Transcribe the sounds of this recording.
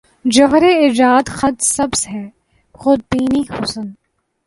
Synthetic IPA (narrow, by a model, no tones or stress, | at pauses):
d͡ʒoɦɾeɪd͡ʒaːd̪xɐd̪sɐbsɦɛː | xʊd̪̚biːnixʊsən